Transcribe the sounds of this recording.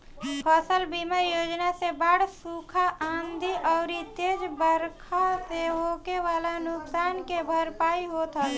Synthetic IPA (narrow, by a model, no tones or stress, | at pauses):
pʰəsəlbiməɾjoːd͡ʒnasebaːɽsukʰaʔãːnd̪ʱiʔɔːɾit̪eːd͡ʒbəɾkʰaseɦoːkeʋaːlanʊksaːnkebʱəɾpaːiɦot̪ʰa